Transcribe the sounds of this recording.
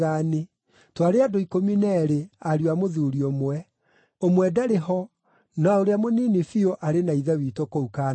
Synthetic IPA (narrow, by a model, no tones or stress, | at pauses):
ane | twaɾeadoikominɛɾeaɾwamoðuɾiomwɛ | omwɛdaɾeɦɔ | naoɾeamoniːnefioʔaɾenaiðɛwitokouka